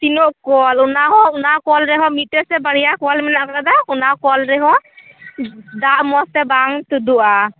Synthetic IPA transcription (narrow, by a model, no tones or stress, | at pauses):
t̪inɔʔkɔlunaɦɔunakɔlɾɛɦɔmitɛsɛbaɽijakɔlmɛnaʔkɾad̪akunakɔlɾɛɦɔ | d̪aʔmɔsɛbaŋt̪ud̪uʔa